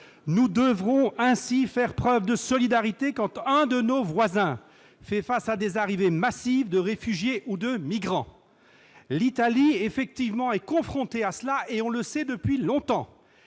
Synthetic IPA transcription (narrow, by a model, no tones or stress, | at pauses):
nud̪əvʁɔ̃ɛ̃sifɛʁpχœvd̪əsɔlid̪aʁit̪ekɑ̃t̪ə̃d̪ənovwazɛ̃ | fɛfasad̪ezaʁivemasivd̪əʁefyʒjeʔud̪əmiɡʁɑ̃ | lit̪aliefɛk̚t̪ivmɑ̃ɛkɔ̃fχɔ̃t̪easlaʔeɔ̃ləsɛd̪əpɥilɔ̃t̪ɑ̃